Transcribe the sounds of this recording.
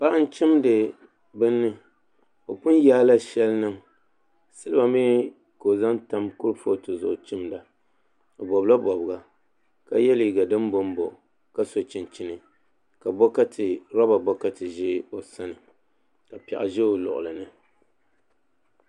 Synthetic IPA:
pa˦ʔa˦n˦t͡ʃɪ˦mdɨ˨ | bɨ˦nːɨ˦ | o˨pʊ˦n˦jaː˦la˦ʃɛ˦lnɨ˦ŋ | sɨ˦lɨ˦ba˨miː˦ | ko˨za˦nta˦mkʊ˦ɾfo˦˨tɨ˨zʊ̰˨ʔt͡ʃɪ˦mda˨ | o˨bɔ˨bla˦bɔ˨bɨ˨ɡa˦ | ka˦jɛ˦li˨ɡa˨dɨ˦m˦bo˦m˦bo̰˨ | ka˦so˨t͡ʃɪ˨nt͡ʃi˦nɨ˨ | ka˨bɔ˦ka˦tʰɨ˨ɾɔ˦ba˨bɔ˦ka˦tɨ˨ʒɪ˦o˨sa˦nɨ˨ | ka˨pɛ̰˨ʔa̰˨ʒɛ˦o˨lʊ̰˨ʔʊ̰˨lɨ˨nɨ˦

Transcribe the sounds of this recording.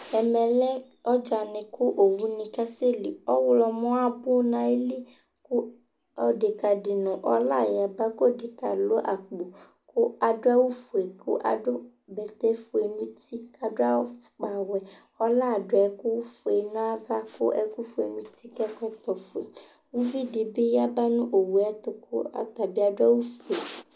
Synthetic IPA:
ɛ˨mɛ̃˨lɛ˦ | ɔ˦d͡ʒa˨nɪ̃˨kʊ˦ʔo˨wu˦nĩ˨ka˦se˦li˨ɔ˦wlɔ˧mɔ̃˦a˦bʊ˦nã˨e˦li˦ | ku˦ | ɔ˨˦de˨ka˨di˨nɔ̃˨ʔɔ˦la˦˨ja˨ba˦ko˦˨de˨ka̰˨lo˦ʔa̰˨k͡po˨ | kʊ˦a˨dʊ˦a˦wu˦fu˨e˨kʰʊ̰˦ʔa̰˨dʊ˦ | bɛ˨t̪ɛ˦fo˨e˨nũ˦t̪i˦ka˨dʊ˦a˦ | k͡pa˨wɛ˨ | ɔ˦la˦˨dʊ˨ɛ˨ku˦wu˦fu˨e˨nũ˦a˦va˦ko̰˦ʔɛ˨ku˦fu˨˦e˨nũ˦t̪i˦kɛ˦kɔ˦t̪ɔ˨fo˨e˨ | wu˦vi˦de˨be˦ja˦ba˦nũ˦ʔo˨wu˨ɛ˦t̪ʊ˨ko̰˦a̰˨t̪a˨be˦a˨dʊ˦a˦wu˦fu˨e˨

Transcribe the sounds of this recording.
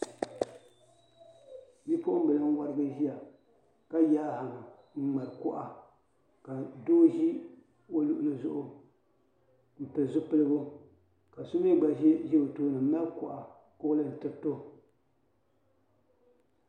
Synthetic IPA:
ji˦po˦ʔʊ˦m̩˦bɨ˨lɨ˦ŋ˦wa˦ɾɨ˦ɡɨ˦ʒi˦a˨ | ka˦jaː˦ha˨ŋ˨ | ŋ̩˦ŋ͡ma˨ɾɨ˨kʊ˦ʔa˨ | ka˨doː˦ʒi˦ | o˦lʊ˨ʔʊ˨lɨ˨zʊ˦˨ʔʊ˨ | m̩˨pɨ˨lzʊ˦pɨ˦lɨ˦ɡʊ˦ | ka˨su˦mi˦ɡ͡ba˨ʒɛ˦ʒi˦o˨toː˦nɨ˨m̩˦ma˦lkʊ˨ʔa˨ | kʊ˦lɨ˦n̩˨tɨ˦to˦

